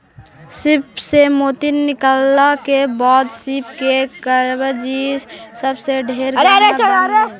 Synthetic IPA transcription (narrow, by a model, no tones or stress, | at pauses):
sɪpsemoːt̪inːɪkalːakebaːd̪sip̚kekəɾbəd͡ʒissəbseɖʱeːɾɾeɾet͡ʃəlaɾe